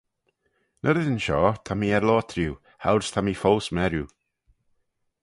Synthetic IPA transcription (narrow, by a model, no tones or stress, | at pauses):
nʔəɾəðənʃɔt̪ʰamiɛɾlɔːt̪ʰɾiw | hawɾst̪ʰamifɔlsmɛɾju